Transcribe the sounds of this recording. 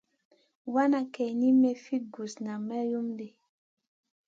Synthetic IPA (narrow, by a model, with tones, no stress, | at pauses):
wa˦na˨kɛ˨ni˦me˨fi˦ɡu˨sna˨mɛ˦ju˦mde˨